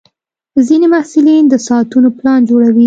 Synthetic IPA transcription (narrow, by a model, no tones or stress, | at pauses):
zinemahsɪlind̪əsɑat̪unoplɑnd͡ʒoɽawi